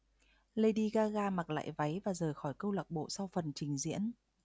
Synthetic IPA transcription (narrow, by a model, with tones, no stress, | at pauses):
lə˧jɗi˧ɣaː˧ɣaː˧ma˨˩k̚la̰ː˧˨jva˨˦jvaː˨˩zəː˨˩jxɔ˧˩jkə˧wlaː˨˩k̚ɓo̰˧˨sa˧wfə˨˩nt͡ɕï˨˩ŋ̟zḭ˧˥ən